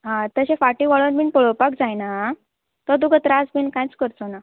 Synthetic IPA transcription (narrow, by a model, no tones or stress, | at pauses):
ɦãt̪əɕẽfaʈiʋɔɭənmiːnpəɭopak̚d͡zajna | t̪ɔd̪uɡʱət̪ɾasbiːnkãjt͡skəɾt̪ona